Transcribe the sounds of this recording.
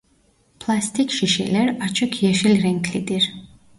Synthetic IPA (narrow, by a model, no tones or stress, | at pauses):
pʰlˠast̪ʰʼikʃiʃɛ̰lɛɾat͡ʃʰɔkʰiɛʃilɾɛŋkʰlid̪iɾ